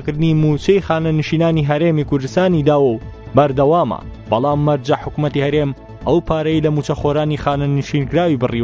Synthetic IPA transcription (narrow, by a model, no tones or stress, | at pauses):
kɨɾd̪ɨnimut͡ʃɐjxaːnɐnɨʃiːnaːniɦɐɾeːmikʊɾd̪ɨst̪aːnid̪aːwɐw | bɐɾd̪ɐwaːmɐ̰bɐlˠaːmːɐɾd͡ʒɐħʊkumɐt̪ihɐɾeːm | ʔɐwpʰaːɾɐjlɐmuːt͡ʃɐxoɾaːnixaːnɐnɨʃiːnkɾaːwibɨriw